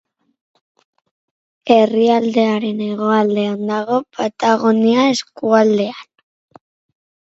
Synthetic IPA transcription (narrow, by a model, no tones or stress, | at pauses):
e̞riald̪e̞aɾe̞ne̞ɣo̞ald̪e̞and̪aɣo̞pat̪aɣoniae̞skuald̪e̞an